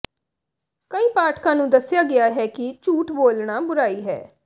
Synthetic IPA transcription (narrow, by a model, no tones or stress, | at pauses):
kəiːpaːʈʰkãːnũːd̪əsːɪjaːɡɪaːɦɛːkɪt͡ʃuːʈboːlɳaːbʊɾaːiːɦɛ̰ː